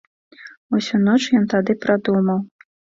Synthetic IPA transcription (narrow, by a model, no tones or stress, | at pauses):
usʲunɔt͡ʂjɔnt̪ad̪ɨpɾad̪umɐw